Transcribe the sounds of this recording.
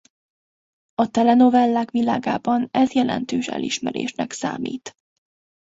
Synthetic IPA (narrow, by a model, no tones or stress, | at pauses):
ɒt̪ɛlɛno̞vɛlːaːkʋilaːɡaːbɒnɛzjɛlɛ̰nt̪øːʃɛ̰liʃmɛɾḛːʃnɛksa̰ːmḭːt̪